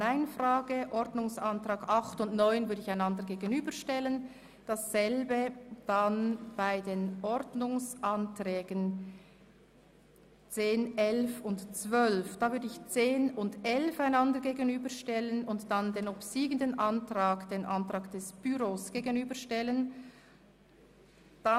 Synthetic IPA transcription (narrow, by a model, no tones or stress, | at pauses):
naɪnfraːɡəʔɔɾdnʊŋsantʁ̥aːɡɑχtʊntnɔʏnvʏɐdəɪçaɪnɑndəʁɡeːɡənyːbəʃtɛlən | d̥asz̥ɛlbəd̥anb̥aɪdeːnʔɔʁdnʊŋsʔantrɛːɡən | t͡seːnɛlfʊntt͡svœlfd̥aːvʏʁdəɪçt͡seːnʊndʔɛlfaɪnɑndəɡeːɡənyːbəʃtɛlənʊntd̥andeːnɔbsiːɡəndənʔɑntʁaːkd̥eːnʔantʁ̥aːkd̥ɛsb̥yʁoːsɡ̥eːɡənyːbəʃtɛlən | d̥a